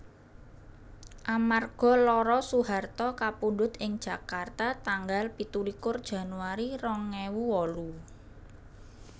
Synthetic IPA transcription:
ʔamarɡ̥ɔ̤lɔɾɔsuɦart̪ɔkapuɖʊt̪ɪŋd̥ʒ̥a̤kart̪at̪aŋɡalpit̪ulikʊrd̥ʒ̥a̤nuaɾirɔŋːewuwɔlu

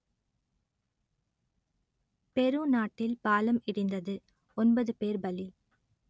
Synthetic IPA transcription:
pɛɾɯnaːʈːɪlpaːlɐmɪɽɪnd̪ɐðɯ | ɔnbɐðɯpeːɾbɐli

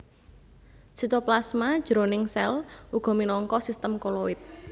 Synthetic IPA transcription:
sit̪oplasmad̥ʒ̥əɾonɪŋsɛlʔuɡ̥ɔ̤minɔŋkɔsist̪əmkolowɪt̪̚

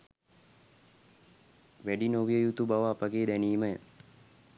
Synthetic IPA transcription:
ʋæɖinoʋijəjut̪ubaʋəːpəɡeːd̪æniːməjə

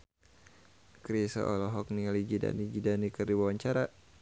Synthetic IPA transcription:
kɾisɔ̰ʔɔlɔɦɔk̚nialid͡ʒida̰nid͡ʒidanikɨrdiwawaɲt͡ʃaɾa

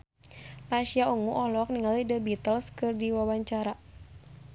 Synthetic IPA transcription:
paʃiauŋuʔɔhlɔk̚niŋalidəbit̪əlskɨrdiwawaɲt͡ʃaɾa

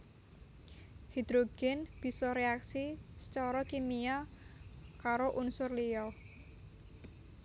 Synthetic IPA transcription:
hid̪̥ɾoɡ̥ɛnb̥i̤sɔɾeaksisə̥t͡ʃɔɾɔkemia | kaɾoʔunsʊrlijɔ

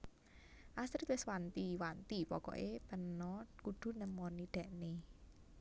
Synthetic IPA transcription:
ʔasɾɪt̪wɪswant̪iwant̪ipɔkɔ̰ʔepənɔkud̪̥ṳnəmɔniɖ̪̥a̤ʔne

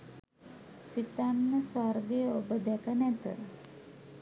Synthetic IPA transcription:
sit̪anːəsarɡejəobəd̪ɛkənɛt̪ə̰

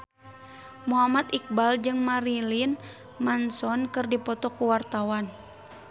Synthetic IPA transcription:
muɦamat̪̚ik̚bald͡ʒɨŋmaɾilin | mansɔnkɨrdipɔt̪ɔkuwart̪awan

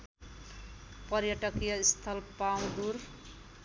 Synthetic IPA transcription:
pʌɾjʌʈʌkjʌist̪ʰʌlpaw̃d̪uɾ

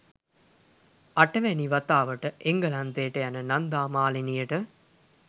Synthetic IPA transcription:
ɐʈɐʋæniʋɐt̪aːʋəʈəʔeŋɡɐlɐnt̪eːʈəjanənand̪aːmaːlinijəʈə

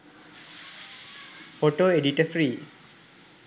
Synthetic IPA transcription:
foʈoːeɖiʈəfɾiː

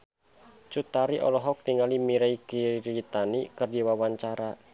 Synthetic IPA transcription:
t͡ʃut̪aɾiʔɔ̰lɔɦɔk̚diŋalimiɾaikiɾit̪anikɨrdiwawaɲt͡ʃaɾa

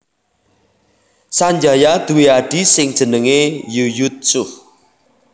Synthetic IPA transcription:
saɲd͡ʒajad̪̥ṳweaɖ̥i̤sɪŋd̥ʒ̥ə̤nəŋejujut̪̚sʊh

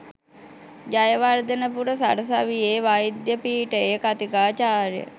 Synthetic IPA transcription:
d͡ʒajəʋaɾd̪ənəpuɾəsa̰ɽəsaʋieʋaid̪jəpiːʈəekat̪ikaːt͡ʃaːɾjə̰

